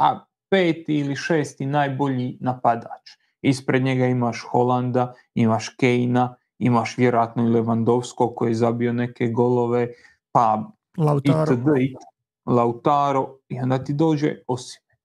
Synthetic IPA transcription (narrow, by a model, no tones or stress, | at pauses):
a̰ | peːt̪iiliʃeːst̪inaːjbo̞ʎinapad̪a̰ːt͡ʃ | ispɾe̞d̪ɲe̞ɡaimaʃxo̞lˠand̪a | imaʃkejna | imaʃʋje̞ɾojaːt̪noile̞ʋand̪o̞ʋsko̞kojeezabio̞ne̞ke̞ɡo̞lo̞ʋe̞ | pa | iəd̪i | laut̪aːɾoio̞nd̪aːt̪id̪o̞ːd͡ʒḛo̞si̥me